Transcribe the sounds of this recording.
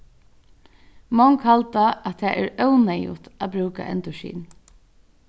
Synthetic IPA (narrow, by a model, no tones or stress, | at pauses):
mɔŋkhalt̪aat̪ʰaːʔɛɹœwnajṵt̪abɾʉːka̰ʔɛ̰nt̪ʊʃḭːn